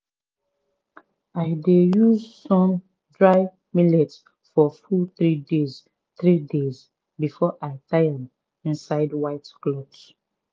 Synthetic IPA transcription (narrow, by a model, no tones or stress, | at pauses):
aɪdejuzsɔ̃m | dɹaɪ | milɛts | fɔfuθɹidez | θɹidez | bifɔʔaɪtʰajad | ĩnsaɪdwaɪtklɔbs